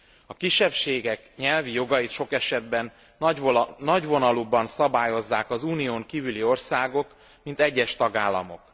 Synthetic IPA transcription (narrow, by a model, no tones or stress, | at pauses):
ɒkiʃɛpʃeːɡɛkɲɛlvijo̞ɡɒjit̪ʃo̞kɛʃɛd̪bɛn | nɒɟʋo̞nɒlubɒnsɒbaːjo̞zːaːkɒzuːnijoːŋkiːvylio̞rsaːɡo̞k | mint̪ɛɟːɛʃt̪ɒɡaːlːɒ̰mo̞̰k